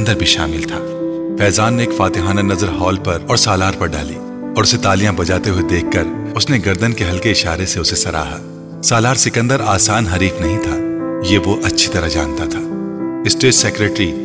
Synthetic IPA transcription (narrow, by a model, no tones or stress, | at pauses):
nd̪əɾbʱiʃa̰ːmɪlt̪ʰaːfɛːzaːnːeːkfaːt̪ɪɦaːnanɐzəɾɦɔːlpɐɾɔːɾsaːlaːɾpɐɾɖa̰ːlḭː | ɔːɾʊset̪aːlijãbɐd͡ʒaːt̪eɦued̪eːkʰːɐɾʊsneɡɐɾd̪ənkeɦɐlkeɪʃaːɾeseʊsesɐɾa̰ːɦa̰ː | saːlaːɾsɪkə̃nd̪əɾaːsaːnɦɐɾiːfnɐɦĩt̪ʰaːjeːʋoʔɐtːʃʰi̥t̪ɐɾaɦd͡ʒa̰ːnt̪at̪ʰaːɪsʈeːʈsekɾeːʈɾi